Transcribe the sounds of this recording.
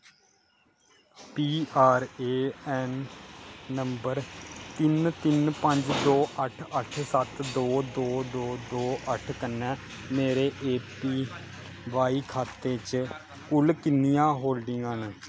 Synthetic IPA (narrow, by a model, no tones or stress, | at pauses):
piːʔaːɾeːɛːnː | əmbəɾt̪ɪnt̪ɪnpəɲd͡ʒd̪oːʔəʈʰəʈʰsət̪d̪oːd̪oːd̪oːd̪oːʔəʈʰkənːɛ̃ː | meːɾeːʔeːpiː | ʋaːiːkʰaːt̪eːt͡ʃ | kʊlkɪnijãːɦoːlɖɪŋɡanː